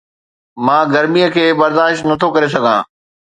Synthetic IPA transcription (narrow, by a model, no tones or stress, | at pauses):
mãːɡɐɾmijəkʰeːbɐɾd̪aːʃt̪nɐt̪ʰokɐɾes̬ɐɡʱãː